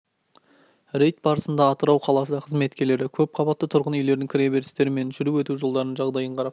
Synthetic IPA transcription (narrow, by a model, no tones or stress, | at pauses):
ɾejt̪̚bɑɾəsənd̪ɑːt̪əɾɑwqʰɑlˠɑsəɑqʰəzme̞t̪kʲe̞ɾle̞ɾɪkʲʰɵp̚qʰɑbɑt̪ːət̪ʰʊɾʁənʏjle̞ɾd̪ɪŋkʲʰɪɾʲebe̞ɾɪst̪e̞ɾɪme̞nʒʏɾuwɵt̪uʒo̞lˠd̪ɑɾənʒɑʁd̪ɑjəɴqʰɑɾɑp